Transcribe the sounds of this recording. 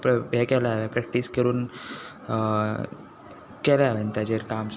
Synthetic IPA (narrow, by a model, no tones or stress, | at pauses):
bekɛlaʋepɾɛk̚ʈiskəɾuːn | kɛlaʋent̪ad͡ʑeɾkaːms